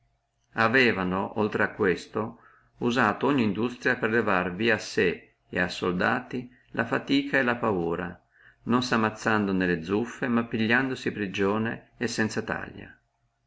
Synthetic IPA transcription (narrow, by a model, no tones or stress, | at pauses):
avɛːvanoʔolt̪ɾeakːwest̪o | uzaːt̪ooɲːiːnd̪ust̪ɾjaperlevarviːaːse | ḛasːold̪aːt̪i | lʔafat̪iːkʰaelapauːɾa̰ | nonsamːat̪sːand̪onelːed̪zufːemapːiʎːand̪osipɾid͡ʒoːneːsːɛnt̪sat̪a̰ʎːa̰